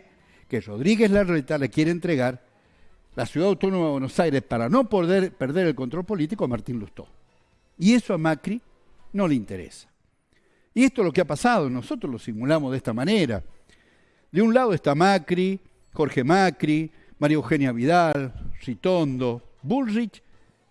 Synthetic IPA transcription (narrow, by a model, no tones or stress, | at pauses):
kero̞ðɾiɣezlaret̪alekje̞ɾeːnt̪ɾeɣaɾ | lasjuðaðawt̪o̞nomaðeβwenosajɾespaɾano̞pðeɾpeɾðeɾelko̞nt̪ɾo̞lpo̞lit̪ikoamaɾt̪inluht̪o̞̰ | ie̞soamakɾi | no̞leint̪eɾḛsḁ | ie̞st̪olo̞keapasað̞ono̞so̞t̪ɾoslo̞simulamozðest̪amaneɾa̰ | ðeunlaðoest̪amakɾi | xo̞ɾxe̞makɾi | maɾioxenjaβiðalrit̪ond̪o̞βulrit͡ʃ